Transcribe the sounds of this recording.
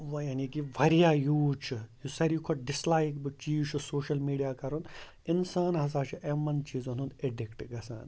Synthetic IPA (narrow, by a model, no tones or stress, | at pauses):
ʋɐjanikiʋʱɐɾijaːjuːt͡ʃʰɨjusɐɾjukʰoʈ̚ɖɪslaːjkbɨt͡ʃiːt͡ʃʰusoːʃɐlmiːɖijaːkɐɾun | ɪnsaːnɦɐzaːɾt͡ʃʰuʔemɐnt͡ʃiːzonɦũneɖikʈiɡɐsa̰ːn